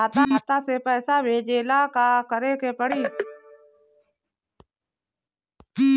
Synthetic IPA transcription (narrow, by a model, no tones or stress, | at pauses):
aːt̪ãːɦət̪aːseːpəːsaːʋeːd͡ʒeːlaːkaːkəɾeːkʰeːpəɽiː